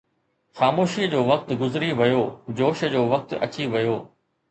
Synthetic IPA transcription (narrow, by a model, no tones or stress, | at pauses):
xaːmoːʃiːəd͡ʑoːʋɐk̚t̪ɡʊzɪɾiʋɐjoːd͡ʑoːʃə̆d͡ʑoːʋɐk̚t̪ɐ̰t͡ɕiʋɐjoː